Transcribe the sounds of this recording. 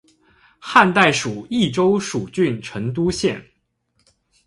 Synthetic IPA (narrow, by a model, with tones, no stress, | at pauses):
xa˥˧nt̪a˥˩ɪʂu˨˩i˥˩ʈ͡ʂo˥ʊʂu˨˩t͡ɕy˥˩nʈ͡ʂʰɤ˧˥ŋt̪̬u˥ɕjɛ˥˩n